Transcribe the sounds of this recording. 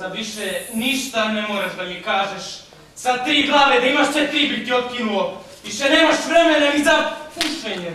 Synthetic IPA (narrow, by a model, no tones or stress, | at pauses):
aʋiʃeniʃt̪anemoːɾaʒd̪aʎekaːʒeʃ | sad̪̚t̪ɾiːɡlˠaːʋed̪aimaʃt̪et̪ɾiːbit̪iot̪̚kinuloʋiʃeneːmaʃʋɾemenaizapusʋeɲe